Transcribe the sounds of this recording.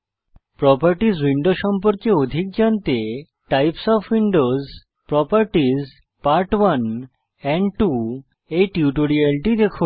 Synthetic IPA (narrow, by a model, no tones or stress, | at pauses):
pɾɔpəɾʈizwiɳɖoʃɔmpoɾkeod̪ʱik̚d͡ʑant̪e | ʈajpsɔfʰwiɳɖoz | pɾɔpaɾʈiz | paɾʈwan | ɛɳɖʈu | ejʈiuʈoɾielʈid̪ekʰu